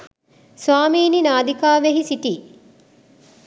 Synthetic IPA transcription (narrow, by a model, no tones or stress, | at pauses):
sʋaːmiːninaːd̪ikaːʋeɦisiʈiː